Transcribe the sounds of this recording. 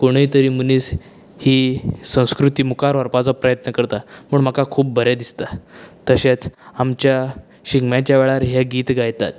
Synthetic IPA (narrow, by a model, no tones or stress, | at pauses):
koɽ̃əit̪əɾiːməniːs | hiːsə̃w̃skɾut̪iːmukaɾʋəɾpat͡sɔpɾəjət̪nəkəɾt̪am̤əɳm̤əkakʰuːp̚bəɾad̪ist̪at̪əɕat͡samt͡ɕja | ɕiɡmjãt͡ɕjaʋɛɭaɾɦjaɡiːt̪ɡajt̪a̰t̪